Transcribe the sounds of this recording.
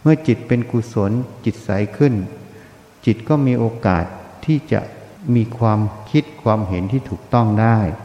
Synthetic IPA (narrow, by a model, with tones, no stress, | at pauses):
mɯ˥˩ɐt͡ɕi˨˩t̪̚pe˧nku˨˩so˩˦nt͡ɕi˨˩t̪̚sa˩˦jkʰɯ˥˩n | t͡ɕi˨˩t̪̚kɔː˥˩miː˧ʔoː˧ka̰ː˨˩t̪ʰːiː˥˩t͡ɕa̰˨˩ʔmiː˧kʰwaː˧mkʰi˦˥t̪̚kʰwaː˧mɦe˩˦nt̪ʰiː˥˩t̪ʰuː˨˩k̚t̪ɔ˥˩ŋdaː˥˩j